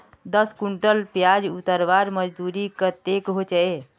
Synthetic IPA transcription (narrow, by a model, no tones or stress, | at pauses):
d̪əskuɳʈəlpjad͡ʒut̪əɾʋaɾməd͡ʒd̪uɾikət̪ekɦot͡ʃəe